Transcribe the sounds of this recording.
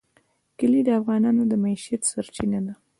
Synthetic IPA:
kəlid̪əafɣɑnɑnod̪əmaiʃjat̪saɾt͡ʃinad̪a

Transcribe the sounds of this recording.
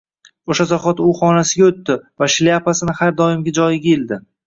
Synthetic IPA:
oʃazaχɒt̪ʊχɒnasɪɡʲaɵt̪ːɪvaʃlijapasɪnɪhaɾd̪ɒɪmɡʲad͡ʒɒjɪɡʲaeld̪ɪ

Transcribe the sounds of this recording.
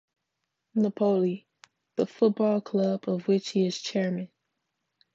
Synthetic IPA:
nəpʰoʊlˠi | ðəfʊt̚b̥ɔlˠkʰl̥ʌbʌvwɪt͡ʃhiɨz̥t͡ʃʰɛɹmɨ̃n

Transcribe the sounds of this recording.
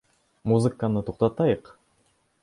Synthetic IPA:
muzɨkənɯt̪ʰoq̚t̪ɑt̪ɑjɤq

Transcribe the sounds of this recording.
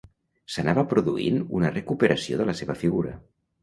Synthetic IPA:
sənaβəpɾuðuḭnunərəkupəɾʔəsio̰ðələseβəfiɣuɾə̰

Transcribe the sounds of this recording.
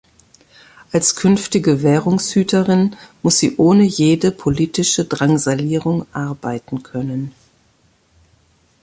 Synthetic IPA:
ʔalskʰʏnftɪɡəvɛːʁʊŋshyːtʰəʁɪnmʊsz̥ḭːʔoːnəjeːdəpʰoliːtɪʃədʁaŋzaliːʁʊŋʔaɐbaɪtn̩kʰœnən

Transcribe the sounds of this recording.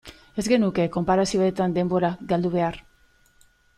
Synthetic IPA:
e̞zɡe̞nuke̞ko̞mpaɾasio̞et̪and̪e̞mbo̞ɾaɡald̪uβ̞e̞aɾ

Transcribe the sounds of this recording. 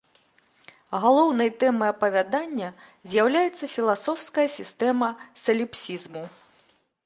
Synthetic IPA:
ɣalˠɔwnɐjt̪ɛmɨɐpɐvʲad̪anʲːɐ | zʲjawlʲajɛt̪sːɐfʲilˠasɔwskɐjɐsʲist̪ɛmɐsɐlʲipsʲizmu

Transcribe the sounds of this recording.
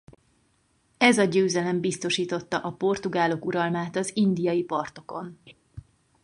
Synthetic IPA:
ɛzɒɟøːzɛlɛmbist̪o̞ʃiːt̪o̞t̪ːɒʔɒpo̞rt̪uɡaːlo̞kuɾɒlmaːt̪ɒzind̪ijɒjipɒrt̪o̞ko̞n

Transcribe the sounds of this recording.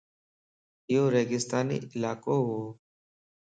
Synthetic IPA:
ɪjoːɾeːɡɪst̪aːnḭːɪlaːkoːɦoː

